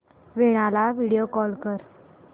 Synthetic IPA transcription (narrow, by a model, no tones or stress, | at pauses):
ʋeɽ̃alaʋiɽijokɔlkəɾ